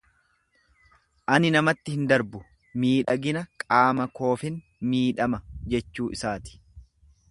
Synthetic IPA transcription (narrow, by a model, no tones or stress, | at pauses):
ʔɐnɪnɐmɐt̪ːɪhɪnd̪ɐɾbʊ | miːᶑɐɡɪnɐkʼaːmɐko̞ːfɪn | miːᶑɐmɐd͡ʒɛt͡ʃːuːʔɪsaːt̪ɪ̥